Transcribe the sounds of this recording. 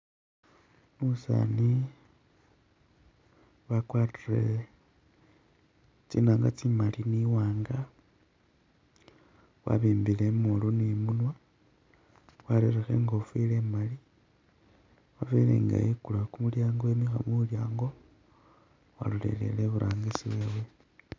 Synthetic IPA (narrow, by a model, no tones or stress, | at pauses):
musa̰ni | βakwatirḛ | t͡sinaːŋɡat͡simaliniwaːŋɡa | wa̰βiːmbilemulunimunwa | waɾeɾexe̞̰ŋɡofile̞mali | wafilḛŋɡa̰jikulakumuljaːŋɡoemixamuljaːŋɡo̞ | wa̰lulḛle̞̰leβuɾʔaːŋɡisiβwewe